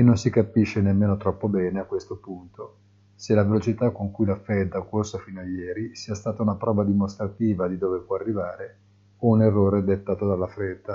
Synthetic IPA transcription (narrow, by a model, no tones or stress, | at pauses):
enːonsikapiʃːenemːeːnot̪ɾɔpːobɛːneakwest̪opunt̪o | selavelot͡ʃit̪akːoŋkujlafɛd̪ːalkorsofiːnoajɛːɾisiːast̪aːt̪aunapɾɔːvad̪imost̪ɾat̪iːvad̪id̪oːvepwɔarːivaːɾe | ounerːoːɾed̪et̪ːaːt̪od̪alːafɾed̪ːa